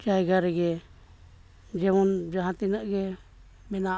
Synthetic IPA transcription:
d͡ʒajɡaɾɛɡɛ | d͡ʒɛwund͡ʒaɦat̪inaʔɡɛ | mɛna

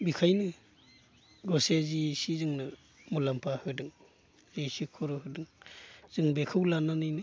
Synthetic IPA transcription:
bikʰajnɯ | ɡɔsezisizɯŋna | mɔlampʰahɯdɯŋ | zisikʰɔɾɔɦɯdɯŋz̥ɯŋbekʰɯwlananɯjnɯ

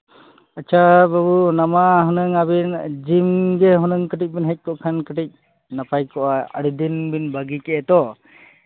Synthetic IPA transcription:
at͡ʃʰababunamaɦɔnəŋabind͡ʒimɡɛɦɔnəŋkəʈic̚binɦɛc̚ˀkɔʔkʰankəʈic̚ | napajkɔʔaə̰ɽid̪inbinbaɡikɛʔɛt̪ɔ

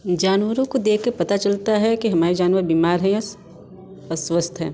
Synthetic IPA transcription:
d͡ʒaːnʋəɾõkod̪eːkʰkeɾpɐt̪at͡ʃɐlt̪aɦɛkiɦɐmaːɾid͡ʒaːnʋəɾbiːmaːɾɦɛ̃s | ɐswəst̪ʰɦɛ̰ː

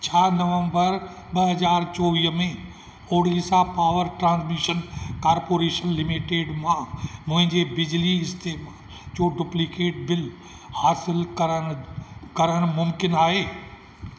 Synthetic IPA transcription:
t͡ɕʰaːnɐʋə̃mbəɾ | ɓɐɦɐzaːɾt͡ʃɔːʋiːɦmẽ | oːɽiːsãpaːʋəɾʈɾãːnsmiːʃənkaːɾpoːɾeːʃənlɪmiʈeːɖmãːmʊ̃ɦɪ̃ɲd͡ʑebɪd͡ʑliɪst̪ʰeː | oːɖʊplɪkeːʈ̚bɪl | haːsɪlkɐɾəɽ̃kɐɾəɽ̃mʊmkɪnaːɦeː

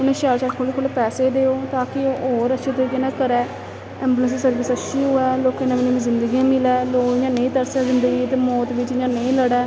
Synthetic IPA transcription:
ʊnẽːʃaːlt͡ʃaːɾkʰoːleːkʰoːleːpɛːseːd̪eːoːt̪aːkɪoːoːɾəʃʰiːt̪oiːkenãːkəɾɛː | ɛːmbːlə̃ns̬səɾʋɪsət͡ʃʰːiːɦʊɛːloːkenãmːnũːʋĩːzɪ̃nd̪əɡiːãːmɪlɛːloːkɪd͡ʒãːnə̃ĩːt̪əɾsɛːzɪnd̪əɡiːt̪eːmɔːt̪ʋɪt͡ʃɪd͡ʒãːnəĩːləɽɛː

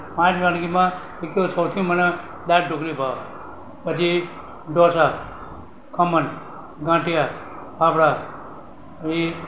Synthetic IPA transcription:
pãːt͡ʃmãnkimã | ekosəwt̪ʰijũməne | d̪aɾɖʱokɾibʱaʋ | pət͡ʃʰi | ɖɔsa | kʰəmən | ɡãːʈija | papɽa | i

